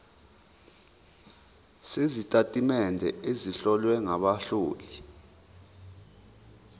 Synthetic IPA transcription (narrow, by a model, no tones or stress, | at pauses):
sezitʼatʼimɛndʱɛeziɬɔlwɛŋaɓaɬuːli